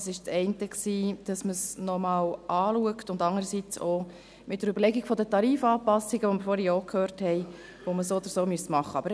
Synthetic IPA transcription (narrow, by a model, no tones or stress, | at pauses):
sɪʃt͡sɛɪntəksiːd̥ɑsməsnɔmɑːwʔɑːluəktʊndɑŋəɾəsit͡so | mɪt̚d̥əɾybəɾlɛɡiɡ̥fɔdətɑɾiːfɑːpɑsːiɡəʋoməɾfoːɾiokʰhøːɾthɛɪ | ʋoməsoːɔd̪əɾsoːmyəsmɑχːəɑ̰bəɾ